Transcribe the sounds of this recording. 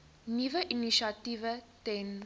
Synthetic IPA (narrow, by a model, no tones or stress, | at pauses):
nivəʔiniʃativətɛ̃n